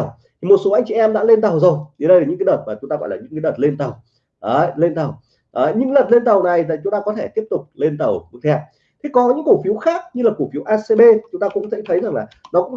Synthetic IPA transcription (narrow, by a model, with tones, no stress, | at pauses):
w | t̪ʰi˨˩mo˨˩t̚so˨˦ʔa˧jŋ̟t͡ɕḭ˧˨ʔɛ˧mɗa̰ː˧˥le˧nt̪ə˨˩wzo˨˩ji˨˦ɗə˧jlaː˨˩ɲɨ̰˧˥kːaː˨˦ɗə˨˩t̚maː˨˩t͡ɕʊ˨˦ŋ͡mt̪aː˧ɣɔ̰˧˨laː˨˩ɲɨ̰˧˥ŋkːaː˨˦ə˨˩t̚le˧nt̪ə˨˩w | ʔəː˨˧˦le˧nt̪ə˨˩w | ʔəː˨˦ɲɨ̰˧˥ŋlə˨˩t̚le˧nt̪ə˨˩wna˨˩ja˨˩t͡ɕʊ˨˦ŋ͡mt̪aː˧kɔ˨˦t̪ʰe˧˩t̪i˦˥əp̚t̪ʊ˨˩k͡p̚le˧nt̪ə˨˩wmɨ˧˦˥t̪ʰɛ˧ | t̪ʰe˨˦kɔ˨˦ɲɨ̰˧˥ŋko˧˩fi˨˦əwxaː˦˥k̚ɲɨ˧laː˨˩ko˧˩fi˨˦əwʔaː˧se˧ɓe˧t͡ɕʊ˨˦ŋ͡mt̪aː˧kʊ̰˧˥ŋ͡mzɛ̰˧˥t̪ʰə˨˦jza˨˩ŋlaː˨˩nɔ˨˦kʊ̰˧˥ŋ͡m